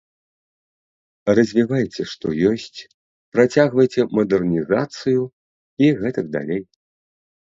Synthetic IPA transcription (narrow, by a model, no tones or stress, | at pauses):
rɐzʲvʲivajt͡sʲɛʂt̪ɔ̰jɔsʲt͡sʲ | pɾat͡sʲaɣvɐjt͡sʲɛmɐd̪ɛrnʲizat̪sɨju | iɣɛt̪ɐkd̪a̰lʲej